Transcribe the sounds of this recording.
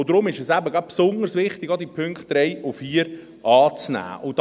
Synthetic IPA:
od̥̪ɾʊmɪʃɛsæbəɡlab̥̚psʊndəɾsʋɪχt̪ɪɡɑd̪ipʰʏŋkχt̚ɾɛjʊfiːəɾ | ʔɑːt͡snæ̰ːʔʊd

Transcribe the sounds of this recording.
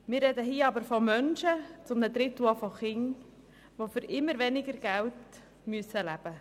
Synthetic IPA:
mɪrrɛd̪əɦiːɑbəɾfɔmœnʃət͡sʊmnəd̪ɾɪtuɑfɔχɪŋ | ʋofʏɾʔɪmːəɾʋɛnɪɡəɾɡ̥ælt | myəsəlæb̥ə

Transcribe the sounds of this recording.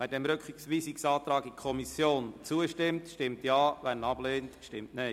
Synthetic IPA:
ʋæːdɛmɾøkχiksʋiːsiksɑːt̪ɾɑːɡikʰɔmisjoːnt͡suəʃtɪmtʃtɪmtjɑːʋænɑbleːntʃtɪmtnɛɪ

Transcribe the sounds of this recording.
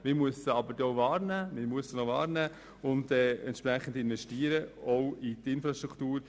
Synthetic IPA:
mɪɾmʉəsəɑbəɾdɛoʊvɑːɾnæmɪɾmʉəsənovɑ̰ːɾnæː | ʊndɛːɛnt̪ʃpɾɛχən̩dɪnvɛʃtiːəɾəɔwitɪnfɾɑʃtɾuktuːɾ

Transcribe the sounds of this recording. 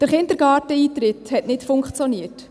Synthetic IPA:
d̥əɾχɪnd̪əɾɡɑːtəiːtɾɪthɛtnɪtfʊŋkt͡sjɔniət

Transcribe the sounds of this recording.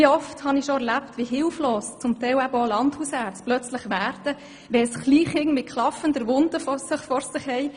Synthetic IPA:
iɔfthɑniʃɔɛɾlæptʋiɦɪlfloːst͡sʊmtɛɪwæbəolɑndhusæːt͡splœt͡slɪχʋæːɾd̥ə | ʋɛsχliːχhɪŋmɪt̚kʰlɑfəndəʋʊnd̥əfɔsɪχfɔɾsɪχhɛɪ

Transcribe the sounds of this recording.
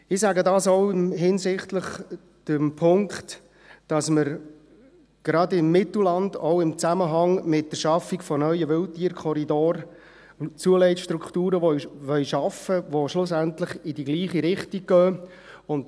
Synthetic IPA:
ɪsæɡədɑːsɔʊɪmɦɪnsɪχtləχ | d̥əmpʰʊŋkt | d̥ɑsməɾ | ɡ̥ɾɑdɪmːɪtl̩lɑnd̥oʊɪmt͡sæməɦɑŋmɪt̚d̥əɾʃɑfikfɔnœʏəʋɪltiːɾkʰχɔɾidoːɾ | t͡suəlɛɪtʃtɾukχtuːɾəʋɔʋœɥʃɑfəʋoʃlʊs̬æntləχɪdiɡliːχiɾɪχtik̚ɡ̥œː | ʊnt

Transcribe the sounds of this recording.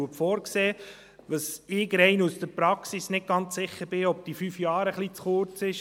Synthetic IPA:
uəpfɔːɾkseː | ʋəsɪːɡɾɛɪnusd̥̪əpɾɑksisnɪt̚ɡ̥ɑnt͡sːɪχːəɾb̥ɪɔp̚d̥̪ifyfjɑːɾəχlit͡sχʊɾt͡sɪʃ

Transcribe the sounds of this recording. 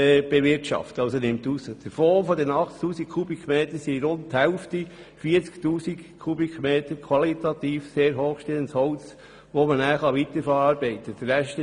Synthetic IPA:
b̥eʋɪɾtʃɑ̰ftɑlsonɪmtusəd̥əfɔːfɔdɛnɑχttuːsikkʰubikχmeːtəɾsiɾʊnthɛlfti | fiːəɾt͡sktuːsikkʰːubikχmeːtəɾkʰwɑlitɑt̪iːfseːɾɦoːχʃtelənshɔʊt͡s | ʋomənæːχɑʋit̪əɾfɛɾɑːɾbɛɪt̪əd̥əːɛʃt

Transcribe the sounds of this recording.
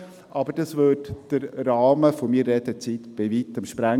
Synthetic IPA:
ʔɑbəd̥ɑsvøtd̥əɾːɑːməfomiːɾːɛd̥̪ət͡siːt̪b̥ɪʋiːt̪əmʃpɾæ

